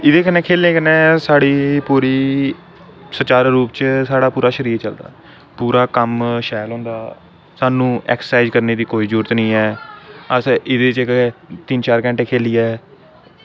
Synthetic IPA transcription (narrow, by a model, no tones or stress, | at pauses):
ɪd̪eːkənɛ̃ːkʰeːlẽːkənɛ̃ːsaːɽiːpuːɾiː | sət͡ʃaːɾɾuːpt͡ʃsaːɽaːpuːɾaːʃəɾiːɾt͡ʃəld̪a̰ː | puːɾaːkəmʃɛːlɦõːnd̪aː | saːnũːɛ̰ːksəsaːɪd͡ʒkəɾneːd̪iːkoːiːzuːɾət̪nəĩːɛːəsɪd̪eːt͡ʃkt̪ɪnt͡ʃaːɾkɛ̃ːɳʈeːkʰeːliːɛː